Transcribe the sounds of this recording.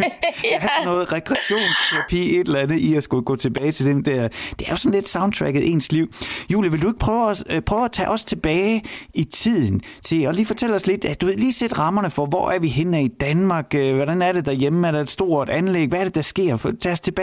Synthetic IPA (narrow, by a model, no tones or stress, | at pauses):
æhæsɒ̽nːɔ̽ːð̩ˠʁɛɡ̥ʰʁɛæɕo̝̰ːnst͡sʰeʁɑ̈pʰḭːe̝d̥elɐænð̩ˠiæsɡ̥uɡ̥ɔ̰ːt͡sʰe̝b̥ɛːɪt͡sʰe̝ld̥emd̥æɐd̥eæɐjo̝sɒ̽n̩le̝d̥sɑ̈ʊn̚t͡sʰʁæɡ̥ð̩ˠʔe̝̰ːnsliʊ̰jṵːljiʋe̝ld̥ue̝ɡ̥̚pʰʁœːʊspʰʁœːʊæt͡sʰɛ̰ːʔɒ̽st͡sʰe̝b̥ɛːɪit͡sʰið̰ˠn̩t͡sʰe̝lɒ̽liːfɒ̽t͡sʰel̰ɒ̽sle̝d̥æd̥uʋe̝̰liːsed̥ʁɑ̈mɐnəfɒ̽ʋɒ̰ʔæɐʋiɦenæid̥ænmɑ̈ːɡ̥øʋɒɾænæɐɾe̝d̥æɐjemæɐɾ̥ee̝d̥sd̥o̝ɐ̰ed̥ænleɡ̥ʋæɐɾ̥e̝d̥ɑ̈sɡ̥e̝ɐ̰t͡sʰɛːst͡sʰe̝b̥ɛ